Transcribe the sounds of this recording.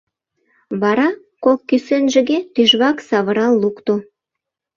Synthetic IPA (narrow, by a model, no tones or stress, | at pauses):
βɑɾɑ | kokːysenʒə̆ɡet̪yʒβɑksɑβəɾɑlːukt̪o